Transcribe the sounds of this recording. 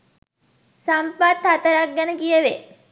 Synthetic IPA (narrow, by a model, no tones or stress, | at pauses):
sampat̪ʰːat̪ɐɾaɡjanɡijəʋe